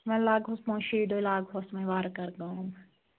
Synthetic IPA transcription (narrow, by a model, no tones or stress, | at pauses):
mɛ̃ːlaːɡɦosmõːʃiːɖojlaːɡɦosmẽʋaːɾkɐɾɡãm